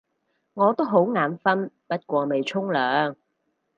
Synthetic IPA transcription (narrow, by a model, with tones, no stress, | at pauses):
ŋɔː˨˧t̪o˥wɦo˨˥wŋaː˨˧˥mfɐ˥npɐ˥t̚kʷɔː˧me˨jt͡sʰʊ˥ŋlœː˨ŋ